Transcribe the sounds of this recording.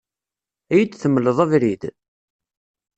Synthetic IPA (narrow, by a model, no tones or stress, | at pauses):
æjid̪θəmːələðˤævɾid̪